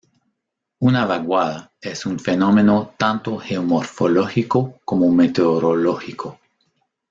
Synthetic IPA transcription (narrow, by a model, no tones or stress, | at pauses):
unaβaɣwaða | esunfenomenot̪ant̪oxeomoɾfoloxikokomomet̪eoɾoloxikʰo